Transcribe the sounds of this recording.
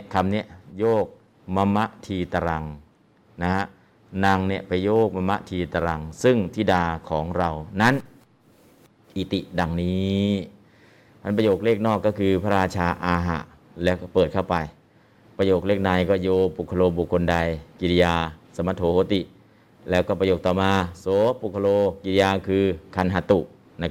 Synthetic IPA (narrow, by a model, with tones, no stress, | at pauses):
kʰa˧mni˦˥˩əjoː˥˩k̚ | ma˧mːa˦˧˥ʔt̪ʰiː˧t̪a˧ɾa˧ŋ | na˦˥ha˦˥ | na˧ŋni˦˥˩əpa˧jːoː˥˩k̚ma˧mːa̰˦˥ʔt̪ʰiː˧t̪a˧ɾa˧ŋsɯ˥˩ŋt̪ʰiː˥˩daː˧kʰɔː˩˦ŋɾa˧wna˦˥˨n | ʔi˨˧˩t̪i˨˩ʔda˧ŋniː˦˥ | pʰa˧˥npɾa˧joː˨˩k̚leː˥˩k̚nɔː˥˩kːɔː˥˩kʰɯː˧pʰa˦˧ɾaː˧t͡ɕʰaː˧ʔaː˧ɦa̰˨˩ | lɛː˦˥wkɔː˥˩pɤː˨˩t̪̚kʰa˥˩wpa˧j | pɾa˧joː˨˩k̚leː˥˩k̚na˧jkɔː˥˩joː˧pu˨˩kʰːa˧loː˧bu˨˩kʰːo˧nda˧jki˧ɾi˧jaː˧sa˧˦ma˧t̪ʰoː˨˦hoː˨˦t̪i˨˩ʔ | lɛː˦˥wkɔː˥˩pɾa˧joː˨˩k̚t̪ɔː˨˩maː˧soː˨˦pu˨˩kʰːa˧loː˧ki˧ɾi˧jaː˧kʰɯː˧kʰa˧nɦa˧t̪u˨˩ʔ | na˧k